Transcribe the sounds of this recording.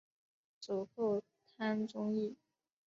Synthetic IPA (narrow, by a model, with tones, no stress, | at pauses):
t͡su˨˩ko˥˩ | t̪ʰa˥nʈ͡ʂʊ˥ŋi˥˩